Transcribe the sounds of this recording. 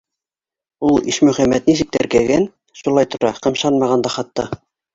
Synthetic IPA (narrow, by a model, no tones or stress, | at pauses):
ulˠḭʃmɵ̆χæmːæt̪nis̬ɘ̆k̚t̪æɾkæɡæn | ʃulˠɑjt̪ŏɾɑqɤ̆mʃɑnmɑʁɑnd̪ɑχɑt̪ːɑ